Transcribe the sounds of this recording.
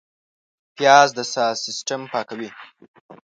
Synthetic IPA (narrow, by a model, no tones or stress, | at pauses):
pjɑzd̪əsɑsɪsʈampɑkawi